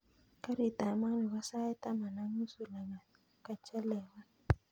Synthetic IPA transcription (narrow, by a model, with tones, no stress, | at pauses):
ka˦ɾi˨ta˨˦ma˦ni˨wa˦sa˦ɛ˦tʼa˦ma˨na˨mu˦su˨la˨ŋa˨ | ka˨t͡ʃɛ˦lɛː˨wa˦